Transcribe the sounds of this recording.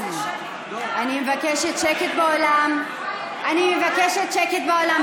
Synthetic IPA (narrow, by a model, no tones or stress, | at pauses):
animevakeʃet̪ʃeket̪̚beolam | ʔanimevakeʃet̪ʃeket̪̚beo̞lam